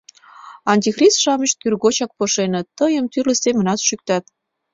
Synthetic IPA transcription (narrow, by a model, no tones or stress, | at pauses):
ɑnʲt̪ʲixrisʃɑməʃt̪̚kyrɣot͡ɕɑk̚poʃenət̪ːəjəmt̪yrləsemə̆nɑt̪ʃyk̚t̪ɑt̪̚